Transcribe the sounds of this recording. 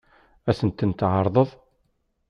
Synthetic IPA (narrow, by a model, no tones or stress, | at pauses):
æsənt̪ənt̪ʕəɾˤðˤəðˤ